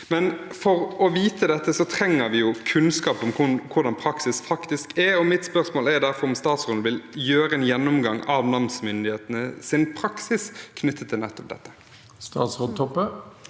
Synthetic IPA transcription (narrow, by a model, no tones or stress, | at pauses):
mɛnfɔɾɔʋiːt̪ʰəd̪ɛt̪ːəsɔt̪ʰɾɛŋːəɾʋɪjʊkʰʉnskɑːpɔmkʊkʰʊʁd̪ɑnpʰɾɑksɪsfɑkt̪ɪskʰɛɾɔmɪt̪spœʁsmoːlɛɾd̪æɾfɔɾɔmst̪ɑːt̪sʁond̪ʋɪljøːɾəɛnjɛnːʊmɡɑŋɑʋnɑmsmʏnd̪ɪheːt̪ənəsɪnpʰɾɑksɪskʰnʏt̪ːət̪ʰːɪlnɛt̪ːɔp̚d̪ɛ̰t̪ːə̥ | st̪ɑ̰ːt̪sʁod̪t̪ʰɔpːə